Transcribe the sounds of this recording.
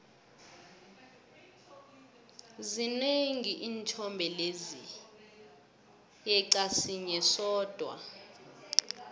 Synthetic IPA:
zineŋiʔiːnt͡ʃʰɔmbʱɛlezi | jɛǀasiɲɛsɔːd̥ʱwa̰

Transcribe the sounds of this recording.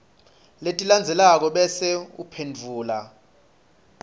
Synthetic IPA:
letʼiland͡zʱɛlak̬ɔɓɛsɛṵpʰendd͡vʱuːla

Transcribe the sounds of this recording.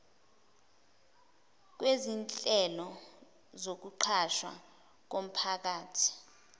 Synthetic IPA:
k̬wezint͡ɬʼɛlɔ | zok̬uǃʰaʃwa̰ | k̬om̩pʰak̬aːtʰi̥

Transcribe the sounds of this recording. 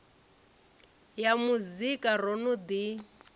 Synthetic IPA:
jamuzikʼarɔnʊd̪i

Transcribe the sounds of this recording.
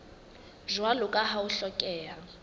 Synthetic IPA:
ʒwalʊkʼaɦauɬɔkʼɛːɦa

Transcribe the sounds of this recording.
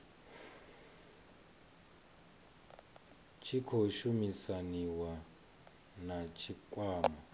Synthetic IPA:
t͡ʃʰikʰoʃumisaniwa | nat͡ʃʰikʼwaːma

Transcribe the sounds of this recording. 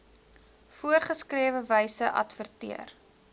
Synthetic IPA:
fuərχəskriəvəvəjsəʔɐ̰tfərtḭər

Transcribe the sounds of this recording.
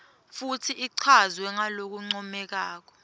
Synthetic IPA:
futʰiʔiǀʰazwɛŋalok̬uŋ͡ǀɔmɛk̬aːk̬ɔ̥

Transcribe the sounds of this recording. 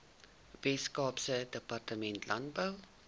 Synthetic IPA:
vɛskɑːpsədəpartəmɛntlɐnt̚bəw

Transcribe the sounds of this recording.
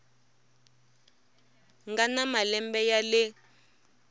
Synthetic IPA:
ŋɡanamalɛmbɛjalɪ

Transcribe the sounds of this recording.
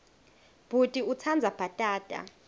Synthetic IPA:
b̥ʱutʼiut͡sʰand͡zʱab̥ʱatʼaːd̥ʼa̰

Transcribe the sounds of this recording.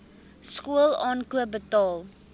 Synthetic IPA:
skuəlˠɑːnkuəbətɑːlˠ

